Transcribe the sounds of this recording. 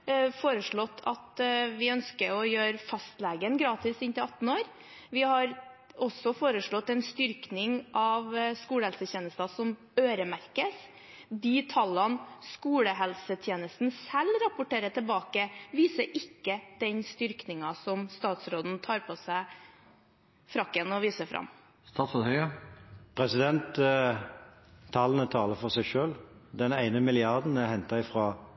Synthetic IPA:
foːɾəʂɭɔt̪ːʰɑt̪ʋɪœnskəɾɔjøːɾfɑst̪lɛːɡənɡɾɑːt̪ɪsɪnt̪ɪlɑt̪n̩oːɾ | ʋɪhɑɾ | ɔsɔfoːɾəʂɭɔt̪ːɛnst̪ʏɾknɪŋʔɑʋskuːləhɛlsəçeːnəst̪ɑsɔm | øːɾəmæɾkəs | d̪iːt̪ʰɑlːɑnskuːləɦɛlsət̪ʰjeːnəst̪n̩sɛlɾɑpʊʈeːɾət̪ɪlbɑːkəʋiːsəɾɪkːəd̪̥ɛɲst̪ʏɾknɪŋɑsɔmst̪ɑːt̪sɾoːd̪n̩t̪ʰɑːɾpʰɔsæɪ | fɾɑkːənɔʋiːsəfɾɑ̰m | st̪ʰɑːt̪sɔt̪hœʏɑpʰʁɛsɪd̪ɛnt̪ | ɑːlənət̪ʰɑːləɾfɔʁsæɪʃøːld̪ɛnæɪnəmɪlɪɑʁd̪n̩æhɛnt̪ɑɪfʁɑː

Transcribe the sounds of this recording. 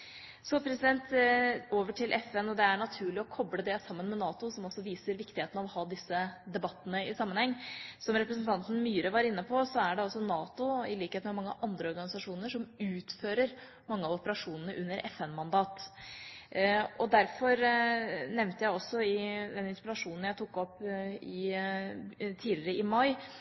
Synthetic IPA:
sɔpʰɾɛsɪd̪ɛnt̪oːʋəʈʰɪlʔɛfɛnɔd̪ɛæɳɑt̪ʰʉːɭɪɔkʰɔbləd̪ɛsɑmːənmɛnɑːt̪ʊsɔmɔsːɔʋiːsəɾʋɪkt̪ɪheːt̪ənɑʋɔhɑːd̪ɪsːəd̪ɛbɑt̪ːənəɪsɑmːənhɛŋːsɔmɾɛpɾəs̬nt̪ɑnt̪ən̩myːɾəʋɑɾɪnːəpʰɔsɔæɖɛɑlsɔnɑːt̪ʊɪliːkheːt̪mɛmɑŋːəʔɑnd̪ɾəɔɾɡɑnɪsɑʂuːnəʂɔmʉːt̪føːɾəɾ | mɑŋːəɑʋɔpəɾɑʂuːnənəʔʉnːəɾʔɛ̰fɛnmɑnd̪ɑːt̪ | ɔd̪æɾfɔɾ | nɛʋnt̪əjæɪɔsːɔɪd̪ɛnɪnspɪɾɑʂuːnən̩jæɪt̪ʰʊkːɔpːɪ | t̪ʰiːlɪɾəɪmɑɪ

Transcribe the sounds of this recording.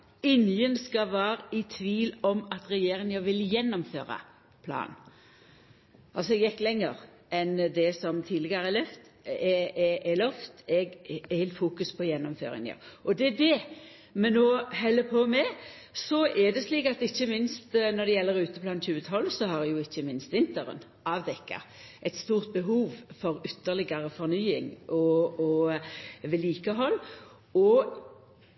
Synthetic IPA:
ɪnjənskɑʋæːɾəɪt̪ʰʋiːlɔmɑt̪ɾɛjeːɾɪŋəʋɪljɛnːɔmfø̰ːɾɑ̰ | pʰlɑ̰ːn | ʔɑlsɔɛɡjɛkːlɛŋːəɾ | ʔɛnd̪ɛsɔmt̪ʰid̪lɪɡəəɾɛlœft̪ɛɛɛlœft̪ɛɡɪlfuːkʉspʰɔjɛnːɔmføːɾɪ̰ŋə̰ʔɔd̪ɛd̪ɛ | mɛnoːɦɛlːəpʰɔmɛ | sɔʔɛd̪ɛsliːkɑt̪ɪçːəmɪnst̪nɔʁd̪ɛjɛlːəɾʉːt̪əblɑnçʉːət̪ʰɔlːsɔhɑɾdɛjʊɪçːəmɪnst̪ʋɪnt̪əɾə̰n | ɑʋd̪ɛkːə̰ɾ | ʔɛɪt̪st̪uːʁt̪̚bəɦuːʋfɔɾʏt̪ːəʁlɪɡəɾəfɔʁnyːɪŋʔɔɔ | ʋɛliːkəɦɔlː | ɔ

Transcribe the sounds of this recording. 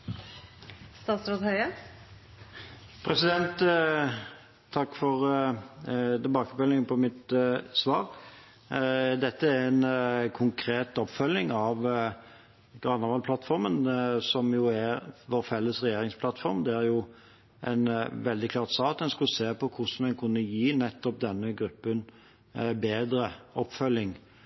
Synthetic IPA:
st̪ɑːt̪sɾoːd̪hœʏə | pʰɾɛsɪd̪ɛnt̪ | ɑkːfɔʁ | t̪ɛlbɑːkəfœlːɪŋəpʰɔmɪt̪sʋɑːʁ | d̪ɛt̪ːəæɾɛnkʰʊŋkʰɾeːt̪ɔpːfœlːɪŋɑʋ | ɡ̥ɾɑnːɑʋɑlpʰlɑt̪fɔɾmənsɔmjuæɾʋoɾfɛlːəsʁɛjeːɾɪŋspʰlɑt̪fɔʁmd̪ɛæɾjʊ | ʔɛ̰nʋɛld̪ɪkʰlɑːʁt̪sɑːt̪ɛnskʉlseːpɔkʰʊsmɛnkʰʉnːəjiːnɛt̪ːɔp̚d̪ɛnːəɡɾʉpːən | beːd̪ɾəɔpːfœlːɪŋ

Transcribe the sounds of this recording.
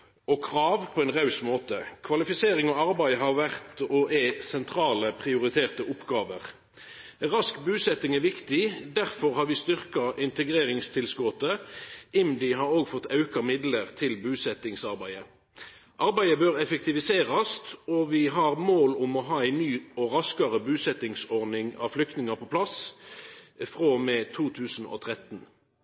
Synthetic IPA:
ɔkʰʁɑːʋpʰɔɛnʁɑʉsmoːt̪əkʰʋɑlɪfɪseːɾɪŋɔɑɾbæɪɦɑʁʋæʁt̪ɔʔæsɛnt̪ʰɾɑːləpʰʁɪʊɾɪt̪ʰeːʁt̪əʔʊpːɡɑːʋəʁ | ʁɑskbʉːsɛt̪ɪŋɛʋɪkt̪ɪd̪æʁfɔʁhɑːɾʋɪst̪ʏʁkɑʔɪnt̪əɡʁeːʁɪŋst̪ʰɪlskɔt̪əɪmd̪ɪɦɑʁoːɡfɔt̪ːɑʉkɑmɪd̪ləʁt̪ʰɪlbʉːsɛt̪ɪŋsɑʁbæɪə | ʔɑʁbæɪəbøːʁɛfɛk̚t̪ɪʋɪseːʁɑst̪ɔʋɪɦɑʁmoːlʊmɔɦɑːæɪnyːɔʁɑskɑʁəbʉːsɛt̪ɪŋsɔʁnɪŋɑ̰flʏk̚t̪nɪŋɑpʰɔpʰlɑs | fʁoːmeːt̪ʰuːt̪ʰʉːsn̩o̰ːt̪ʰʁɛt̪n

